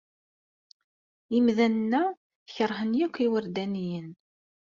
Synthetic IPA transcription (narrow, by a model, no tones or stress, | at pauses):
imðænnːæ | çəɾˤɦənjækʷːiwəɾd̪ænijən